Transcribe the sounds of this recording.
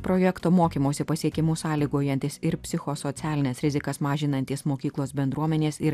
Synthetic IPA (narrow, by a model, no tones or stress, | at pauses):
pɾojɛkt̪oːmoːkʲiːmoːsʲɪpɐsʲiɛkʲɪmuːsɑːlʲiːɡuoːjɛnʲt̪ʲɪsɪɾpʲsʲɪxosot̪sʲæːlʲɪnʲɛsɾʲɪzʲɪkɐsmɑːʒʲɪnɐnʲt̪ʲiːsmoːkʲiːklˠoːsbʲɛnd̪ɾuɔmʲɛnʲeːsɪɾ